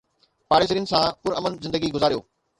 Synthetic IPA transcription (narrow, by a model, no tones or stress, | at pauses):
paːɾeːsəɾiːnsãpʊɾɐmənzɪ̃nd̪əɡiɡʊzaːɾijo̰ː